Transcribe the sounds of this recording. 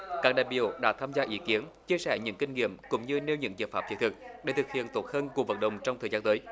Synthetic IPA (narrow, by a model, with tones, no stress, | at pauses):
kaː˦˥k̚ɗaː˧˨jɓḭ˧˨əwɗa̰ː˧˥t̪ʰaː˧mzaː˧ʔi˧˥ki˨˦ənt͡ɕi˧əsɛ˧˩ɲɨ̰˧˥ŋkï˧ŋ̟ŋḭ˧˨əmkʊ̰˧˥wŋ͡mɲɨ˧ne˧wɲɨ̰˧˥ŋzə̰ː˧˩faː˨˩p̚t͡ɕi̥˨˦˥t̪ʰɨ˨˩k̚ɗe˧˩t̪ʰɨ˨˩k̚hḭ˧˨ənt̪o˨˩t̚həː˧nku˨˩k̚və˨˩n̚ɗə̰˨wŋ͡mt͡ɕɔ˧wŋ͡mt̪ʰəː˨˩jzaː˧nt̪əː˨˦j